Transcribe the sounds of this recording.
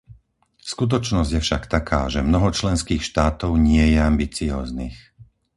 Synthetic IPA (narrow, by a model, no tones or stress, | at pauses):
skut̪̬ɔt͡ʃnɔzɟjɛfʃakt̪akʰaːʒɛmnɔɦɔt͡ʃlɛnskiːxʃt̪aːt̪ɔʊɲɪɛjɛambit͡siɔːznḭx